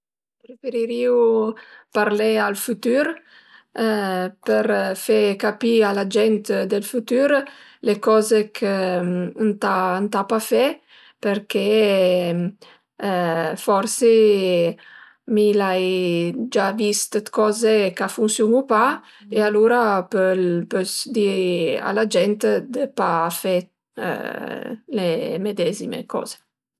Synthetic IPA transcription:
pɾefeɾiɾiupaɾlealfut̪yɾ | pəɾfɛkapialad͡ʒɛnt̪d̪elfut̪yɾ | lekɔzekʰə | nt̪ant̪apafɛ | peɾke | fɔɾse | milajd͡ʒavist̪ət̪kɔzekafunsjunupa | ealuɾapølpøsd̪iɾa̰lad͡ʒɛnt̪d̪əpafɛ̰ | lemed̪ɛzimḛkɔ̰z̥e̥

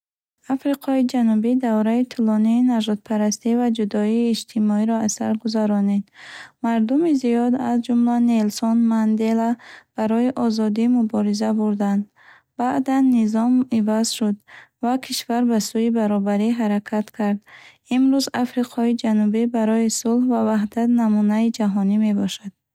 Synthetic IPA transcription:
afɾiqʰɔid͡ʒanubid̪avɾait̪ʰulɔniːnaʒɔd̪̚pʰaɾast̪ivad͡ʒud̪ɔiːd͡ʒt̪ʰimɔiɾɔasa̰ɾɡuzaɾɔned̪maɾd̪umiziɔd̪azd͡ʒumlanelsɔnmand̪elab̥aɾɔiʔɔzɔd̪imubɔɾizabuɾd̪and̪ | baʔd̪anːizɔmivaz̥ʃud̪vakʰiʃvaɾbasuibaɾɔbaɾiɦaɾakʰat̪kʰaɾd̪ | imɾuzafɾiqʰɔid͡ʒanubibaɾɔisulhvavaɦd̪at̪namunaid͡ʒaɦɔnime̞bɔʃad̪̥̚

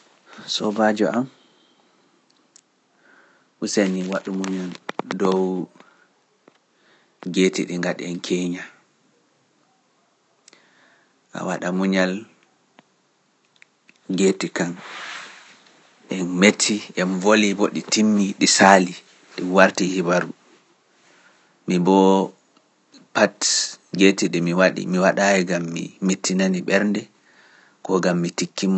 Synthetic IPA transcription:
sɔbad͡ʒɔʔam | ʔuseniwaɗumuɲaldɔw | ɡetḭɗiŋɡaɗɛ̰ɛnkʰeɲa | ʔa̰waɗamuɲal | ɡetikan | ʔɛnmetʰːiʔɛnvolibɔɗitimːiɗisali | ɗiwaɾtihibaɾu | mibɔ | patɡetiɗimiwaɗḭmiwaɗajɛɡamːḭmetːinaniɓɛɾndɛ | kɔɡamːitikːim

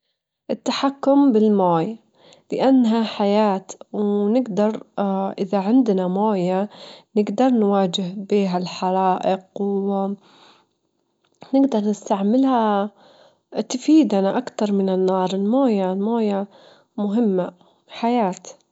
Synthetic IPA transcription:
ʔɪt̪ːaħakːʊmbɪlmoːj | lɪʔanːɦaħajaːt̪wnɪɡd̪ɑɾˤʔɪðaʕɪnd̪namoːjanɪɡd̪ɑɾˤnwaːd͡ʒɪhbiːɦalħɑɾˤɑːʔɪqw | nɪɡd̪ɑɾˤnɪst̪aʕmɪlha | t̪afiːd̪ʔanaʔakt̪ɑɾˤmɪnɪnːɑːɾˤɪlmoːjalmoːja | mʊɦɪmːa | ħajaːt̪

